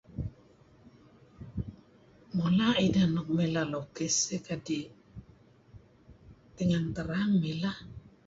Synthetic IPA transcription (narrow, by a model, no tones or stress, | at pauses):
molaidanɔk̚melalokesekadi | t̪iŋaŋt̪əɾaŋmila